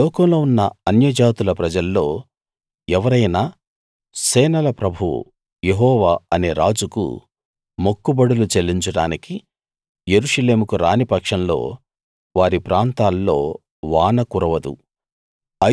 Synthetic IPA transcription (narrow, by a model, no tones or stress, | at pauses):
lɔːkɐmloːunːɐɐnjɐd͡ʒaːt̪ulɐpɾɐd͡ʒɐlːo̞ː | ɛʋɐɾɐjnaː | sɛːnɐlɐpɾɐbʱṵ | jeɦɔːʋaːɐne̞ːɾaːd͡ʒukṵ | mokːubɐɽulut͡ʃelːiɲt͡ʃɐɽa̰ːniki | je̞ɾuʂɐle̞ːmukuɾaːnipɐkʂɐnlo̞̰ː | ʋaːɾipɾaːnt̪aːlːo̞ː | ʋaːnɐkuɾɐʋɐd̪ṵ | ɐ